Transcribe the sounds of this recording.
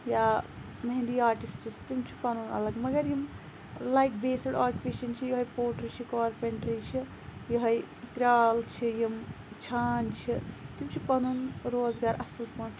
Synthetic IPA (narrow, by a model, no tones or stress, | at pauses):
jaː | mɐɦĩnd̪iaːɾʈisʈist̪imt͡ʃʰi̥pɐnunɐ̰lɐɡmɐɡɐɾjim | lajk̚beːsɐɖaːkʲupeːʃɐnt͡ʃʰijɐɦɐjpoːʈɾit͡ʃʰikɔːɾpeɳʈɾit͡ʃʰi | jiɦɐj | kɾaːlt͡ʃʰijim | t͡ʃʰaːnt͡ʃʰit̪imt͡ʃʰipɐnunɾoːzɡaːɾɐsɐlpɐːʈʰ